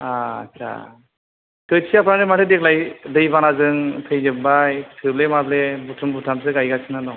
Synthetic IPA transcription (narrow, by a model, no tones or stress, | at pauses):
aa̰t͡ʃʰa̰ | tɯsʰiapʰɾanɯmatedek̚ʰlajdɯjbanazɯŋtʰɯjzɯbajtʰɯblemablebutʰɯmbutʰams̬ɯɡajɡasʰinanɔ